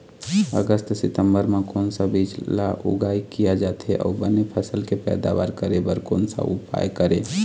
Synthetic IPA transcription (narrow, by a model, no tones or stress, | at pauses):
ə̰ɡəst̪sɪt̪əmbəɾmẽkoːnsabid͡ʒla̰ʔʊ̰ɡaːikijad͡ʒaːt̪eʔɔ̰ːbənepʰəsəlkepɛ̰ːd̪a̰ba̰ːɾkəɾebəɾko̰ːnsa̰ʊ̰pa̰jkəɾe